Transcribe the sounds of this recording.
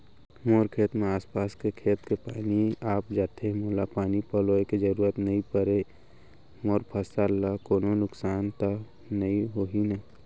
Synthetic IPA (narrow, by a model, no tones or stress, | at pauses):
moːɾkʰeːt̪mẽaːspaːskekʰeːt̪kepaːniaːpd͡ʒaːt̪ʰemoːlapaːnipəloːekid͡ʒəɾuːɾət̪nɐɦĩpəɾe | moːɾpʰəsalːakoːnonʊksaːnt̪a | nəĩɦoːɦinəĩ